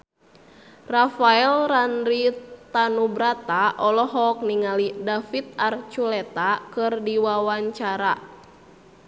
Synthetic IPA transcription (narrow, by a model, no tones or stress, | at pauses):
rafaɛlranɾit̪anubɾat̪aʔɔlɔɦɔk̚niŋalidafit̪̚art͡ʃulɛt̪akɨrdiwawaɲt͡ʃaɾa